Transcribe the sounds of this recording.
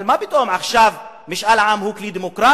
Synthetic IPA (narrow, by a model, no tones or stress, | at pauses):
lmabɪt̪ʔuːmʕaxʃaːv | mɪʃʔalʕamhuːkliːd̪imʊkɾˤaː